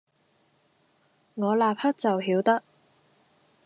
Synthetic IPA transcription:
ŋɔː˨˧laː˨p̚hɐ˥t̚t͡sɐ˨wɦiː˨˥wt̪ɐ˥k̚

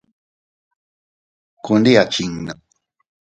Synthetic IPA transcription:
ku˧nd̪i˦a˨t͡ʃiŋnə˨

